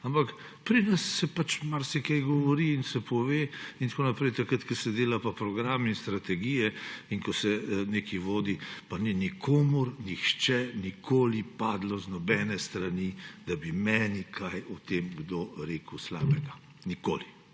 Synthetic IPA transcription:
ampak | pɾinasːɛpat͡ʃmaɾsɛkɛjɡɔʋɔɾiːnsɛpʰɔʋeːint̪koːnapɾɛjt̪akɾət̪kɛsɛd̪eːlapapɾɔɡɾaːminst̪ɾat̪ɛɡijɛinkɔsɛneːkiʋoːd̪ipanɛnikʰoːmuɾnixt͡ʃɛnikʰoːlipaːd̪lɔznɔbɛːnɛst̪ɾanid̪̥abimɛːnikʰajɔt̪eːmɡd̪oɾeːkəwsla̰ːbɛɡa | niko̰ːli

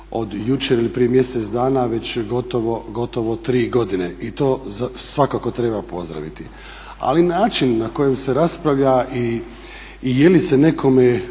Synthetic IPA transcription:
o̞d̪jut͡ʃeɾilipɾijemje̞set̪sd̪aːnaʋe̞t͡ɕɡo̞t̪oʋo̞ɡo̞t̪o̞ʋot̪ɾiːɡo̞d̪ine̞ʔit̪o̞ːzasʋakako̞t̪ɾe̞bapo̞̰zd̪ɾa̰ʋḭt̪i | a̰linaːt͡ʃinːako̞jemse̞ɾaspɾaʋʎaʔiː | je̞lise̞ne̞kʰo̞me

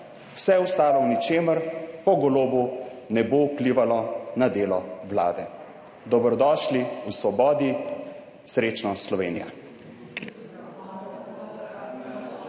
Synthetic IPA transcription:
wsɛɛust̪aːlɔwnit͡ʃeːməɾpɔɡɔloːbunɛboukliːʋalɔnad̪eːlɔwla̰ːd̪ɛ | d̪ɔbɾɔd̪ɔːʃliusʋɔbɔːd̪i | sɾeːt͡ʃnɔslɔʋḛːnḭja̰

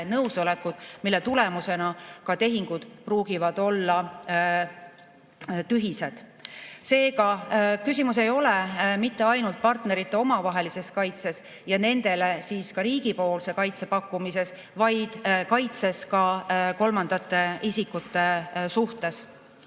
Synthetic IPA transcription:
nɤwsolekːud̪̥milːet̪ule̞muse̞nɑkɑt̪e̞ɦiŋɡ̥ud̪̥pruːɡ̥ivɑd̪̥o̞lːɑ | t̪yɦise̞d̪̥ | se̞ːkɑkys̬ʲimuse̞jo̞lemit̪ːeɑjnult̪̚pɑrt̪ne̞ɾit̪ːˑe̞o̞mɑvɑɦe̞lise̞skɑjt̪se̞s | jɑne̞nd̪̥e̞le̞siːskɑɾiːɡ̥ipo̞ːlse̞kɑjt̪se̞pɑkːˑumise̞s | vɑjd̪̥kɑjt̪se̞skɑko̞lmɑnd̪̥ɑt̪ːˑe̞isikːut̪ːe̞suht̪e̞s

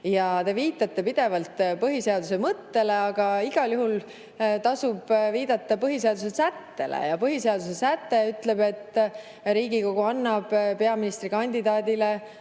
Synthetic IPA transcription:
jɑt̪e̞viːt̪ːˑɑt̪ːe̞pid̪̥e̞vɑlt̪pɤɦise̞ɑd̪use̞mɤt̪ːe̞le̞ɑɡ̥ɑiɡ̥ɑljuɦul | t̪ɑsub̥viːd̪̥ɑt̪ːɑpɤɦise̞ɑd̪̥usesæt̪ːe̞lḛjɑpɤɦise̞ɑd̪̥usesæt̪ːe̞yt̪le̞be̞t̪ː | ɾiːɡiko̞ɡ̥uɑnːɑb̥peɑminist̪ɾikɑnʲd̪id̪ɑːd̪ile̞

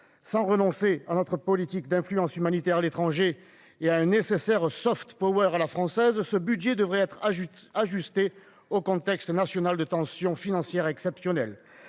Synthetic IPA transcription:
sɑ̃ʁənɔ̃seanɔt̪χəpɔlit̪ikd̪ɛ̃flyɑ̃symanit̪ɛʁalet̪χɑ̃ʒe | eaɛ̃nesesɛʁsɔft̪pɔwœʁalafχɑ̃sɛzsəbydʒed̪əvʁɛɛt̪χaʒyst̪e | okɔ̃t̪ɛkst̪nasjɔnald̪ət̪ɑ̃sjɔ̃finɑ̃sjɛʁɛksɛpsjɔnɛl

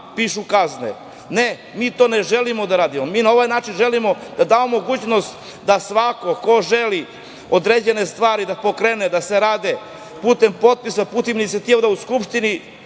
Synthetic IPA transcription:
piːʃukaznḛ | ne | miːt̪o̞ːneʒe̞limo̞d̪aɾaːd̪imomiːnao̞ʋajnaːt͡ʃinʒe̞limo̞d̪ad̪aːʋomoɡuːt͡ɕnost̪ | d̪asʋako̞ko̞ʒeli | od̪ɾeːd͡ʑe̞ne̞st̪ʋaːɾid̪apokɾeːned̪ase̞ɾaːd̪e | puːt̪e̞mpo̞t̪̚pisapuːt̪eminiat̪iʋod̪auskupʃt̪ini

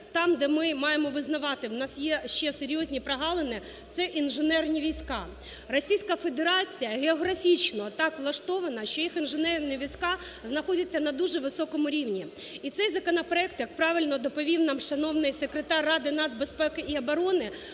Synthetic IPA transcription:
t̪ɑmd̪ɛmɪmɑjemɔʋɪznɐʋɑt̪ɪwnɑsjɛʃt͡ʃɛseɾʲjɔzʲnʲipɾɐɦɑlˠenɪ | t̪sɛʔinʒɪnɛrnʲiʋʲijsʲkɑ | rɔsʲijsʲkɐfe̞d̪eɾɑt͡sʲijɐɣʲeɔɦɾɐfʲit͡ʃnɔt̪ɑkʋlˠɐʃt̪ɔʋɐnɐʃt͡ʃɔjixinʒɪnɛrnʲiʋʲijsʲkɑznɐxɔdʲɐt͡sʲːɐnɐd̪uʒɛʋɪsɔkɔmʊɾʲiwnʲi | it̪sɛjzɐkɔnɐpɾɔɛkt̪jɐk̚pɾɑʋɪlʲnɔd̪ɔpɔʋʲiwnɑmʃɐnɔwnɪjsekɾet̪ɑrːɑd̪ɪnɑzʲbespɛkɪʔiɐbɐɾɔnɪ

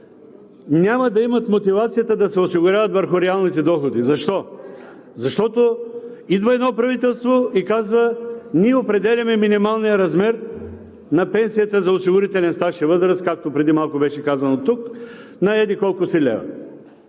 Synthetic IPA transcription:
nʲaməd̪ɐimɐt̪mot̪ivat̪sijət̪əd̪ɐsɛosiɡʊɾjavɐt̪vəɾxʊɾɛalˠnit̪ɛd̪ɔxod̪izɐʃt̪ɔ | zɐʃt̪ɔt̪o | id̪vəɛd̪nɔpɾɐvit̪ɛlˠst̪voikazvənʲiɛopɾɛd̪ɛlʲɐmɛminimalˠnijəɾɐzmɛɾ | nɐpɛnsijət̪əzɐosiɡʊɾit̪ɛlʲɛnst̪aʃiɐvɤzɾəskak̚t̪opɾɛd̪imalˠkʊbɛʃɛkazɐnot̪uk | nɐɛd̪ikɔlˠkʊsɛlʲɛ̰vɐ̰

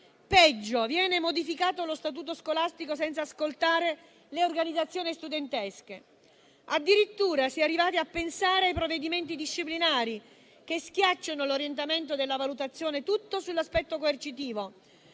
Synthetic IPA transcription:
pɛd͡ʒːovjɛːnemod̪ifikaːt̪olost̪at̪̬uːt̪̬oskolast̪ikosɛnt̪saːskolt̪aːɾe | leorɡanid̪at̪sːjoːnist̪ud̪ent̪ɛske | ad̪ːiɾit̪ːuːɾasiarːivaːt̪iapːensaːɾeajpɾovːed̪iment̪̬id̪iʃːiplinaːɾi | kesk̟jat͡ʃːanoloɾjent̪̬ament̪od̪elːavalut̪at̪sːjoːnet̪ut̪ːosulːaspɛt̪ːokoert͡ʃit̪̬iːvo

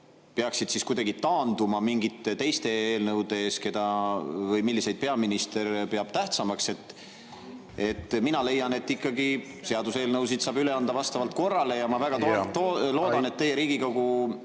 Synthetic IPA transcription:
peɑksid̪̥siskujd̪ɑɡit̪ɑːnd̪umɑmiŋɡit̪ːˑt̪e̞jst̪e̞eːlnɤwd̪eeːske̞d̪ɑvɤjmilːise̞jd̪̚pe̞ɑminist̪e̞ɾpeɑb̥t̪æht̪sɑmɑkse̞t̪ˑː | e̞t̪ːˑminɑle̞jːɑne̞t̪ːikːɑɡi | seɑd̪use̞ːlnɤwsid̪̥sɑːbyle̞ɑnd̪̥ɑvɑst̪ɑvɑlt̪̚ˑko̞rːɑle̞jɑmɑvæɡ̥ɑt̪ot̪olo̞ːd̪ɑne̞t̪ːe̞jːe̞ɾiːɡ̥ikɑɡu

